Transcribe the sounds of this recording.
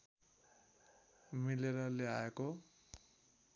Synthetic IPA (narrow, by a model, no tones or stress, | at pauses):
mileɾʌleaeko